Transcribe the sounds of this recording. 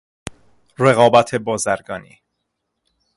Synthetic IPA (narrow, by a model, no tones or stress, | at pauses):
reɣɒːbæt̪ʰe̞bɒːzæɾɡɒːnḭː